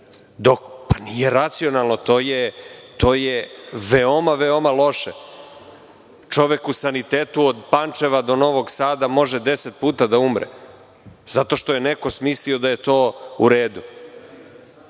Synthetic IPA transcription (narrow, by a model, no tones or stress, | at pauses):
d̪o̞kpḁnijeɾat̪sio̞nalˠno̞t̪o̞ːjet̪o̞ːjeʋeo̞maʋeo̞malˠo̞ʃe | t͡ʃo̞ʋekusanit̪eːt̪uod̪pant͡ʃeʋad̪o̞no̞ʋo̞ɡsaːd̪amo̞ʒed̪eset̪̚puːt̪ad̪aumɾḛ | z̥at̪o̞ʃt̪oje̞neko̞smislio̞d̪aje̞t̪o̞ːuɾeːd̪u